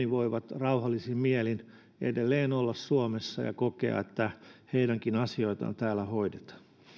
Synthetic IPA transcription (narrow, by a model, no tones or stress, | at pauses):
iʋoiʋɑt̪rɑuhɑlːisimmiælin | ḛdelːeːnolːɑssuomesːɑ̰jɑ̰kokḛɑ̰et̪ːæheidæŋkinɑsioit̪ɑ̰nt̪æːlːæhoidet̪ɑ̥